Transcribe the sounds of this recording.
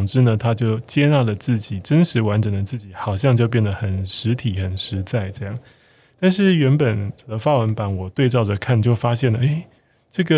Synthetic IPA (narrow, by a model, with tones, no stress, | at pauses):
ŋʈ͡ʂɻ̩˥nə˨t̪ʰa˥t͡ɕjo˥˩ʊt͡ɕjɛ˥na˥˩lə˩t͡sɹ̩˥˩t͡ɕi˨˩ʈ͡ʂə˦nʂɻ̩˧˥wa˧˦˥nʈ͡ʂə˨˩ŋd̪ə˦t͡sɹ̩˥˩t͡ɕi˨˩xɑ˨˩ʊɕjɑ˥˧ŋt͡ɕjo˥˧ʊp̬jɛ˥˩nd̪ə˩xə˨˩nʂɻ̩˧˥t̪ʰi˨˩xə˨˩nʂɻ̩˧˥t͡sa˥˩ɪʈ͡ʂɤ˥˧jɑ˥˩ŋ | t̪a˥˧nʂɻ̩˥˩ɥɛ˧˥npə˨˩nə˧˦fa˥wə˧˥npa˨˦nwɔ˨˩t̪we˥˧ɪt͡sɑ˥˩ʊʈ͡ʂə˨˩kʰa˥˩nt͡ɕjo˥˩ʊfa˥ɕjɛ˥˩nlə˩e˥˩ɪ | ʈ͡ʂɤ˥˩ɡə˨